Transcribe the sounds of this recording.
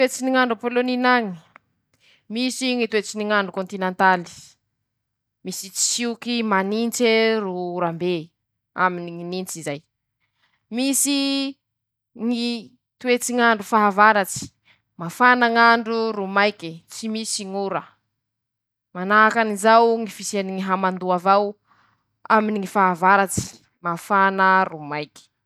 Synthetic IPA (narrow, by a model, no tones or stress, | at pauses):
wet͡siniŋaɳɖ͡ʐapoloninaŋi̥ | misiŋit̪uwet͡siniŋaɳɖ͡ʐukont̪inent̪ali̥ | misit͡si̥siukimanint͡seɾuuɾambe | a̰miniŋinint͡sizaj | misi | ŋi | t̪uet͡siŋaɳɖ͡ʐufaɦavaɾat͡si̥ | mafanaŋaɳɖ͡ʐuɾumajkit͡simisiŋuɾə | manaakanizawŋifiseniŋiɦamand̪uavaw | aminiŋifaɦavaɾat͡si̥ | mafanərumajki̥